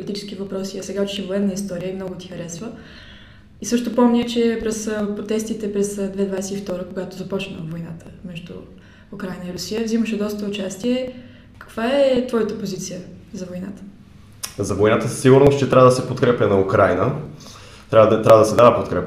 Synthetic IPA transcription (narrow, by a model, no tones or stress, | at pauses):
polit̪it͡ʃɛ̥sk̟ivɐpɾɔsiɐsɛɡaut͡ʃʃɛvoɛnːəist̪ɔɾijəimnɔɡʊt̪i̥xəɾɛsvə | isɤʃt̪opɔmnʲət͡ʃɛpɾɛspɾot̪ɛst̪it̪ɛpɾɛsd̪vɛd̪vajsɛift̪ɔɾəkoɡat̪ozɐpɔt͡ʃnə̰vojna̰t̪əmɛʒd̪ṵː | kɾajnəiɾʊsijəvziməʃɛd̪ɔst̪əʊt͡ʃast̪iɛ | kə̥kv̥aɛt̪vɔjət̪əpozit̪sijəzɐvojna̰t̪ə̥ | zɐvojnat̪əssiɡʊɾnost͡ʃɛt̪ɾʲavəd̪əsɛpot̪kɾɛpʲənɐukɾajnə | t̪ɾʲavd̪t̪ɾavəd̪əsɛd̪avəpot̪kɾɛp